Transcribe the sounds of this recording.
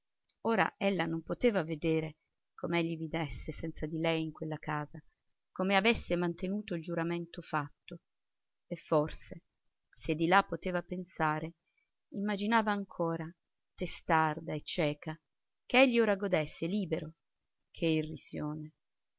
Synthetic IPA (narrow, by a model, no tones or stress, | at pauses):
oːɾa̰ʔɛlːanompot̪eːvaved̪eːɾe | komeɛʎːivid̪esːesɛnt̪sad̪ilɛjiŋkwelːakaːza | komeavesːemant̪enuːt̪oild͡ʒuɾament̪ofat̪ːo | efːorse | sed̪ːilapːot̪eːvapensaːɾe | imːad͡ʒinaːvaːŋkʰoːɾa | t̪est̪ard̪aet͡ʃːɛːka | keɛʎːioːɾaɡod̪esːeliːbeɾo | kʰeirːisjoːne